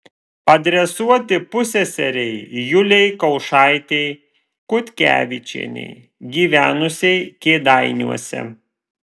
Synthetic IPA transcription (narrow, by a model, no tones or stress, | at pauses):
pɐd̪ʲɾʲɛsuɔt̪ʲɪpʊsʲɛsʲɛɾʲɛɪjʊlʲɛɪkɒʊʃɑˑɪt̪ʲɛɪ | kʊt̪ʲkʲæ̰ːʋʲɪt͡ʃʲḭɛnʲɛ̰ɪ | ɡʲiːʋʲæːnʊsʲɛɪkʲeːd̪ɑɪnʲṵɔsʲɛ̰